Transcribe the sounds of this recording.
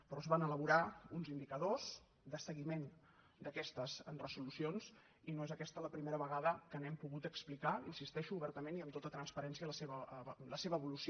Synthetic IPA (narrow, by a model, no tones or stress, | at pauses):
pɾɔəzβanələβuɾaunzind̪ikəðoz | d̪əsəɣimen | d̪əkɛst̪əzrəzulusions | inoezəkɛst̪ələpɾimeɾəβəɣaðəkənɛmpuɣut̪əksplikainsist̪ɛʃuːβɛɾt̪əmeniəmt̪ot̪ət̪ɾənspəɾɛnsiələseβələseβəːβulusi